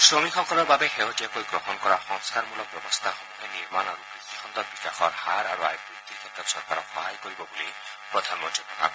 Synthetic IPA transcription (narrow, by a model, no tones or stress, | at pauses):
sɾomikʰɔŋkʰɔɾɔbabeɦeɦotiakojɡɾɔɦɔnɔkɔɾaxɔŋskaɾmulɔpɾɔbɔst̪axɔmuɦeniɾmanaɾubikikʰɔnt̪ɔbikakʰɔɾhaɾaɾuajkit̪ikʰet̪ɾɔtsɔɾkaɾɔxɔɦajkɔɾibɔboli | pɾɔd̪ʱanɔmɔd͡ʒunːɔa̰b